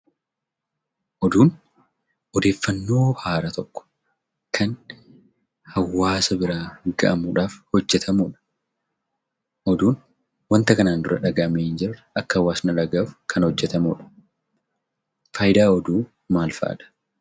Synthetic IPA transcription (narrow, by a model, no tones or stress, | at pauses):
ʔɔd̪uːn | ʔɔd̪e̞ːfːɐnːo̞ːhaːɾɐt̪ɔkːɔ̥ | kʰɐn | hɐwːaːsɐbɪɾaːɡɐʔɐmuᶑaːfhɔd͡ʒːɛt̪ʰɐmuːᶑɐ̥ | ʔɔd̪uːn | wɐnt̪ɐkɐnaːnd̪ʊɾɐᶑɐɡɐʔɐmeɪnd͡ʒɪrʔɐkːɐhɐwːaːsnɐlɐɡaːfkʰɐnhɔd͡ʒːɛt̪ɐmuːᶑɐ̥ | faːjɪd̪aːɔd̪uː | maːlfa̰ːᶑ̪ɐ̥